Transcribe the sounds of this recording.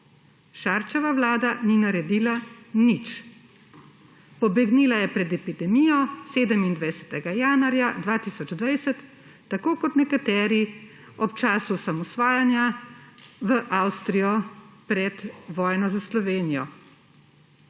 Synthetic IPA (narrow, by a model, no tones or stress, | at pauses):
ʃaːɾt͡ʃɛʋaʋlaːd̪aninaɾɛd̪iːlanit͡ʃ | pɔbɛɡniːlajɛpɾɛd̪ɛpid̪ɛmijɔseːd̪əmind̪ʋajsɛ̥t̪ɛɡajaːnwaɾjad̪ʋaːt̪iːsɔd͡ʒd̪ʋajsɛt̪ː | akoːkɔt̪nɛkat̪ɛːɾi | ɔp̚t͡ʃaːsusamɔsʋaːjanja | ʋəʔawst̪ɾijɔpɾɛd̪ʋɔːjnɔzaslɔʋeːnijɔ̰